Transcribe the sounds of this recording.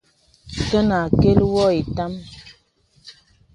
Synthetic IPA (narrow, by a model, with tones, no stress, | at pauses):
tə˦na˨ke˦lwɔ˦e˨ta˦m